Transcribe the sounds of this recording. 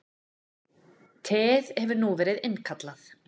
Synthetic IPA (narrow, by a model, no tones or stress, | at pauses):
t̪ʰɛːðhɛvʏɾnuvɛːɾɪðɪnkʰat̪laθ